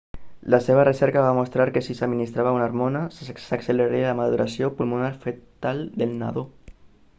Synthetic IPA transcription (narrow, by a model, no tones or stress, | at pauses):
laseβ̞aresɛɾkaβamost̪ɾaɾkesisaminist̪ɾaβaunaɾmonassakseleɾelamaðuɾʔasiopulmunaɾfet̪alˠd̪elna̰ðo